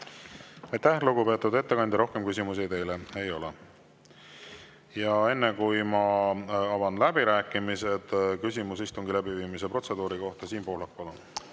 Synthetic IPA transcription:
ɑjt̪æhluɡ̥upe̞ːt̪ːˑud̪e̞t̪ːe̞kɑnʲd̪iɾo̞hke̞mkys̬ʲimus̬it̪ejlee̞jo̞le | jɑe̞nːekujmɑɑvɑnlæbiɾæːkːˑimise̞d̪̥kys̬ʲimus̬ist̪uŋɡilæbiviːmis̬epro̞t̪se̞d̪uːɾiko̞ht̪ɑsiːnpo̞ːhlɑk̚pɑlun

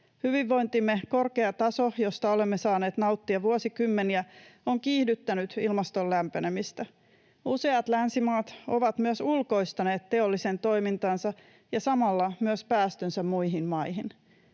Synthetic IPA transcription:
hyʋiʋːo̞jnt̪imːeko̞rke̞ɑt̪ɑso̞jo̞st̪ɑo̞le̞mːesɑːne̞ːt̪nɑwt̪ːiɑʋuosikymːeniæoŋkiːhdyt̪ːænyt̪ilmɑst̪o̞llæmpene̞mist̪æ | use̞ɑt̪lænsimɑːt̪o̞ʋɑt̪myøsulko̞jst̪ɑne̞ːt̪ːe̞o̞lːise̞nt̪o̞jmint̪ɑnsɑ | jɑsɑmɑlːɑmyøspæːst̪ønsæmmujɦinmɑjɦin

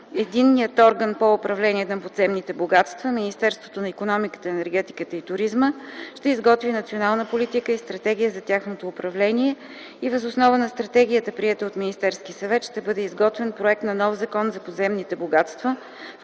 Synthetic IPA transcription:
ɛd̪inːijət̪ɔɾɡənpoʊpɾɐvlɛniɛnɐpod̪zɛmnit̪ɛboɡat̪st̪vəminist̪ɛɾst̪vo̥t̪onɐikonɔmikə̥t̪əɛnɛɾɡ̟ɛt̪i̥kət̪əit̪ʊɾizməʃt̪ɛizɡɔt̪vinɐt̪sionalˠnəpolit̪ikəist̪ɾɐt̪ɛɡ̟ʲijəzɐt̪ʲjaxnot̪oːpɾɐvlɛniɛ | ivəzʊsnɔvənɐst̪ɾɐt̪ɛɡ̟ʲiət̪əpɾiɛt̪əot̪minist̪ɛɾskisɐvɛt̪ʃt̪ɛbɤd̪ɛizɡɔt̪vɛnpɾoɛk̚t̪nɐnɔfzɐkɔnzɐpod̪zɛmnit̪ɛboɡat̪st̪və

